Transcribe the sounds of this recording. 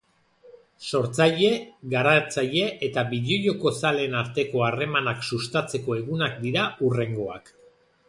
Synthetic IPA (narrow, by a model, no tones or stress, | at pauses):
so̞ɾt͡saʎe̞ɣaɾat͡saʎe̞ʔet̪aβiʎoʎo̞ko̞sale̞naɾt̪e̞ko̞are̞manaksust̪at͡se̞ko̞e̞ɣunakd̪iɾaure̞ŋɡo̞a̰k